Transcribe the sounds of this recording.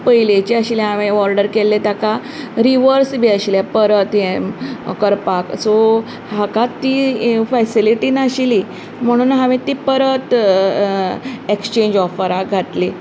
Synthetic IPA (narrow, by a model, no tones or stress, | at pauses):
pəjlet͡ɕiaɕiljɦaʋẽɔɾɖəɾkelːet̪jaka | ɾiʋəɾsbiaɕiljapəɾət̪jemkəɾpakso | ɦakat̪ːifɛsiliʈiːnaɕili | m̤əɽ̃uːnɦaʋẽt̪ipəɾət̪ | ekst͡ɕẽɲd͡ʑɔfəɾaɡʱaʈ̪li